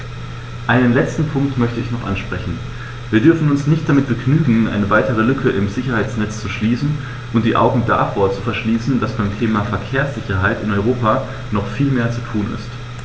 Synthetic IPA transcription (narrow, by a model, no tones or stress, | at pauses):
ʔaɪnənlɛt͡stn̩pʰʊŋk̚tmœçtəɪçnɔχʔa̰nʃpʁ̥ɛçn̩ | viːɐdʏɐfn̩ʊnsnɪçt̚d̥amɪt̚b̥əɡnyːɡŋ̩ʔa̰ɪnəvaɪtəʁ̞əlʏkʰəʔɪmzɪçɐhaɪt͡snɛt͡st͡suʃliːsn̩ | ʔʊntd̥iːʔa̰ʊɡŋ̩da̰foːɐt͡sufɛɐʃliːsn̩d̥asb̥aɪmtʰeːmafɛɐkʰeːɐsz̥ɪçɐɦaɪtɪnɔʏʁ̞oːpaː | nɔχfiːlmeːɐt͡sutʰuːnɪ̰st